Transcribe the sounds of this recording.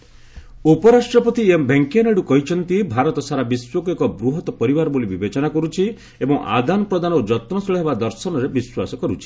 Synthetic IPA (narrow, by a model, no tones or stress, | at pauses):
upɔɾasʈɾɔpɔt̪iembʱeŋkianeɽukɔɦit͡ʃʰɔnt̪ibʱaɾɔt̪ɔsaɾabiswɔkuekɔbɾuɦɔt̪ɔpɔɾibaɾɔbolibibet͡ʃɔnakɔɾut͡ʃʰi | ebɔŋʔa̰d̪anɔpɾɔd̪anɔod͡ʒɔt̪nɔsɔɭɔɦebad̪ɔɾsɔnɔɾebiswasɔkɔɾut͡ʃʰi̥